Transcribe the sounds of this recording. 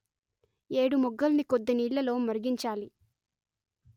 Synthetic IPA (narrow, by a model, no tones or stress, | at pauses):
eːɽumɔɡːɐlnikod̪ːɐniːɭːɐlo̞ːmɐɾɡiɲt͡ʃaːli